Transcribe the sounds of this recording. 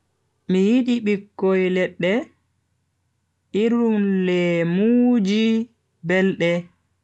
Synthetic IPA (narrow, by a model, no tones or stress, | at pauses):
mijiɗiɓikːɔjlɛɗːɛ | ʔiɾumlɛmuːd͡ʒi | bɛlɗɛ